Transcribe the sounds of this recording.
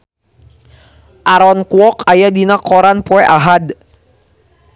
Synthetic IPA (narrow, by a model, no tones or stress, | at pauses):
ʔaɾɔnkwɔkajad̪inakɔɾanpɔʔaɦad̪